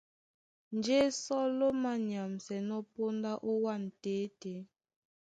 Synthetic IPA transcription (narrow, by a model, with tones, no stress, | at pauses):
n̩˨d͡ʒe˦sɔ˦lo˦ma˦ɲja˨msɛ˨nɔ˦po˦nda˦ʔo˦wa˦˨n̩˨teː˨˦te˨˦